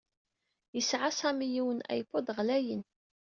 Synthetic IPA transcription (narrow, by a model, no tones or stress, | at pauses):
jəsʕasæmijiwənæ̰jfod̪ˤʁlæjən